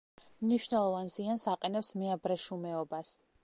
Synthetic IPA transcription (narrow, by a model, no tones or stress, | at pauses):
mniʃnɛlˠɔvanziansaqʼɛnɛpsmɛabɾɛʃumɛɔbas